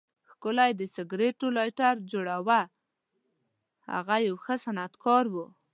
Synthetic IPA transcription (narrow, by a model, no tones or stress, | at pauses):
xkəlajd̪əsɪɡɾeʈolɑjʈaɾd͡ʒoɽawa | ha̰ɣajawxəsanat̪kʰɑɾwu